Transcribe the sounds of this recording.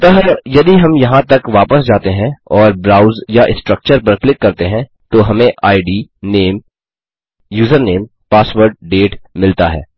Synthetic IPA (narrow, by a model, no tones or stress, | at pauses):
t̪ɐɦɾjɐd̪iɦɐmjɐɦãt̪ɐkʋaːpəsd͡ʒaːt̪eɦɛ̃ɔːɾbɾaːʊzjaʔɪsʈɾək̚t͡ʃəɾpɐɾklɪkːɐɾt̪eɦɛ̃ | t̪oɦɐmẽʔaːɪɖiːneːm | juːzəɾneːm | paːsʋəɾɖ̚ɖeːʈmɪlt̪aɦɛ̰ː